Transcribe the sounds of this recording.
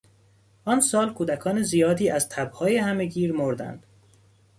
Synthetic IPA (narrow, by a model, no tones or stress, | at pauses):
ʔɒːnsɒːlkʰuːd̪ækʰɒːnezijɒːd̪iːæzt̪ʰæbhɒːjehæme̞ɡiːɾmoɾd̪æ̰nd̪̥